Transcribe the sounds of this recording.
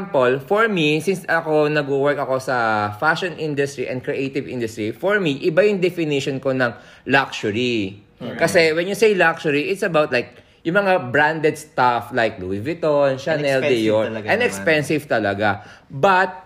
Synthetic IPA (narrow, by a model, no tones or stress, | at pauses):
mpolfɔɹmisɪnsɐkonɐɡuwɛɹkɐko̞sɐfaʃonʔĩnd̪ʊst̪ɹiʔɛ̰nd̪̚kɹɛʔejt̪ɪvḭnd̪ʊst̪ɹifɔɹmiʔɪbajʊŋd̪ɛfɪniʃonkonɐŋ | lakʃʊɹi | kɐsɛwɛnjʊsejlakʃʊɹiʔɪt̪sɐbawt̪̚lajk̚ | jʊŋmɐŋabɹand̪ɛd̪st̪aflajk̚luvɪt̪onʃɐnɛlɪjoʔɐ̃nd̪ɛkspɛnsɪvt̪ɐlɐɡabɐt̪̚